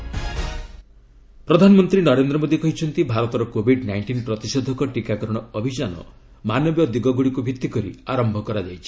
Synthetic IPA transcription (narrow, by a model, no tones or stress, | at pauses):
pɾɔd̪ʱanɔmɔnt̪ɾinɔɾend̪ɾɔmod̪ikɔɦit͡ʃʰɔnt̪ibʱaɾɔt̪ɔɾɔkobʱiɖnajɳʈinpɾɔt̪isod̪ʱɔkɔʈikakɔɾɔɽ̃ɔɔbʱid͡ʒanɔ̰ | manɔbjɔd̪iɡɔɡuɽikubʱit̪ːikɔɾḭaɾɔmbʱɔkɔɾad͡ʒajt͡ʃʰi̥